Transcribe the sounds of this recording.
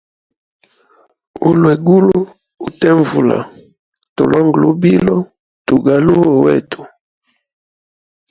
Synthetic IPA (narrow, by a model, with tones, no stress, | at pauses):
u˦lwe˨ɡu˦lu˦ | u˨tɛ˦ɱvu˨la̰˨ | to̰˨lʔɔ˦ŋɡlu˦bi˦lɔ˦ | tu˨ɡa˨lu˦o˨wɛ̰˦tʰu̥˨